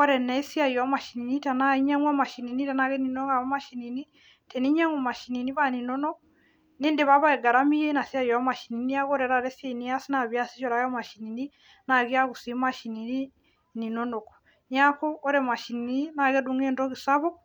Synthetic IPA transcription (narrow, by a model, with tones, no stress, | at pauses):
ɔ˦ɾɛ˨nɛi˦sja˦iɔ˨ma˨ʃini˨ni˦ta˨naiɲa˦ŋwa˦ma˨ʃi˨ni˨ni˦tanaɣɛ˦ni˨nɔ˦ɡa˨βa˦ma˦ʃi˨ni˨ni˦ | tɛ˨ni˦ɲa˦ŋu˨ma˨ʃi˨ni˨ni˦βani˨nɔ˦nɔ˦k | neː˦nde˨βaβa˦ɛ˨ɡa˨ɾami˦jɛ˦na˨si˦a˦jɔ˨ma˨ʃi˨ni˨ni˦a˦ɣɔɾɛ˨ɾa˨ɾɛsja˦i˨ni˦a˦si˦naβja˦si˦t͡ʃɔ˨ɾa˦jɔ˦maʃi˨ni˨ni˦ | na˨ɣi˦aɣu˨si˦maʃi˨ni˨ni˦ | ni˨nɔnɔ˨kɔ̥ | ɲa˦kɔː˦ɾɛma˨ʃi˨nini˦na˨ɣɛduŋɛ˦ndɔ˦ɣi˨saβɔ˦